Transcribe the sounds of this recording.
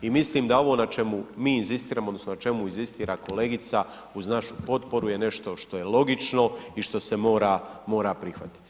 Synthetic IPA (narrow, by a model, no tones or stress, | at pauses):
imisliːmd̪ao̞ʋo̞nat͡ʃe̞mumiːinzist̪iːɾaːmod̪nosnonat͡ʃe̞muinzist̪iːɾakʰo̞le̞ːɡit̪sa | uznaʃu̥po̞t̪po̞ɾujene̞ʃt̪o̞ʃt̪o̞jelˠo̞ɡit͡ʃno̞iʃt̪o̞se̞mo̞ːɾamo̞ːɾapɾixʋa̰t̪i̥t̪i̥